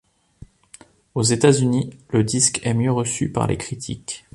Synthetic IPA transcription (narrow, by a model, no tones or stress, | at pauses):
ozet̪azyniləd̪iskɛmjøʁəsypa̰ʁlʔḛkχit̪ʰḭk